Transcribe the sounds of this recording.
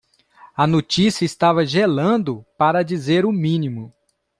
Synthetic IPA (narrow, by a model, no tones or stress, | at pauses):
ɐnot͡ʃisijɐist̪avɐʒelɐ̃d̪ʊpaɾɐd͡ʒizeɾʊmĩnimʊ